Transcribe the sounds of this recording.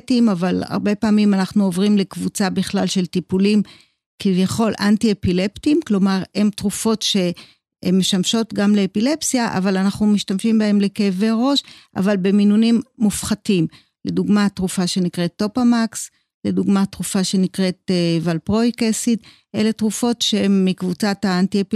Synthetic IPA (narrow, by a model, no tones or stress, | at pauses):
timavala̰ʁbe̞paːmimanaχnuovʁimle̞kvut͡sabiχlalʃe̞ltipulim | kivjaχo̞lʔantiepile̞ptimklo̞maʁe̞mtʁufo̞tʃe̞ | me̞ʃamʃo̞tɡamleːpile̞psjaʔa̰valanaχnumiʃtamʃimbae̞mle̞keveʁo̞ʃʔa̰valbe̞minunimːufχatim | le̞duɡmatʁufaʃenikʁe̞t̪ːo̞pamaks | le̞duɡmatʁufaʃe̞nikʁe̞tevalpʁo̞jkesit | ʔe̞le̞tʁufo̞tʃeemːikvut͡sataːntiep